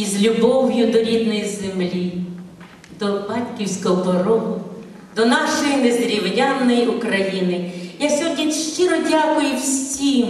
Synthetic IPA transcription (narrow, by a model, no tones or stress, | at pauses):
izlʲʊbɔwjʊd̪ɔɾʲid̪nɔjizemlʲi | d̪ɔbɑtʲkʲiwsʲkɔɦɔpɔɾɔɦ | d̪ɔnɑʃɔjinezeɾʲiwjʲanːɔjiʔʊkɾɐjinɪjawsʲɔɦɔdʲnʲiʃt͡ʃɪɾɔdʲakʊjʊwsʲim